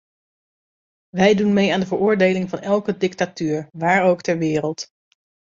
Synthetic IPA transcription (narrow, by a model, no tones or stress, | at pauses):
ʋɛjdunmejaːndəvəɹʔʊːɹdejlɪŋvɑnɛlˠkədɪktatyːɹʋaːɹowktɛɹʋɪːɾəlˠt